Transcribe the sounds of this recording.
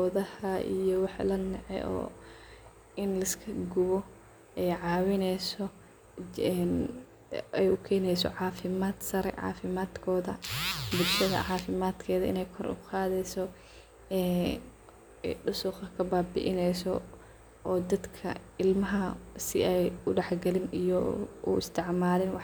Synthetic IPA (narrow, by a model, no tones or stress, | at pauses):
ɡɔːðɐhɐḭjɔwɑħlɐnɛʕɛ̰ʔɔ̰ː | ɪnlɐskʰɐɡʊβɔ | ɛjʕɑːwɪnɛjsɔ | ɛn | ɛjʊkʰɛːnɛjsɔ̰ʕɑːfɪmaːd̪sɐɾɛ̰ʕɑ̰ːfɪmaːd̪kʰɔːðɐbʊd̪ʃɐðɐ̰ʕɑːfɪmaːd̪kʰɛːðɐɪ̰nɛjkʰɔɾʊ̰qɑːðɛjsɔ | ɛ | ɖʊsʊqɐkʰɐbaːbɪ̰ʔɪnɛjsɔ | ʔɔːd̪ɐd̪kʰɐ̰ɪlmɐɦɐsɪ̰ɛjʊɖɛħɡɐlɪnijɔṵɪst̪ʰɪʕmaːlɪnwɑħ